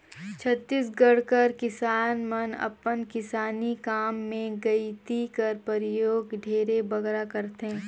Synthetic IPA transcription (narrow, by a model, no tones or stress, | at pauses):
t͡ʃʰɐt̪ːisɡɐɽkɐɾkɪsaːnmɐnɐ̰pənkɪsaːnikaːmːẽɡɐit̪ikɐɾpəɾɪjoːɡɖʱeːɾebɐɡɾakɐɾt̪ẽː